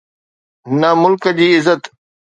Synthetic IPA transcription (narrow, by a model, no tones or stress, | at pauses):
nɐmʊlkəd͡ʑiːɪzət̪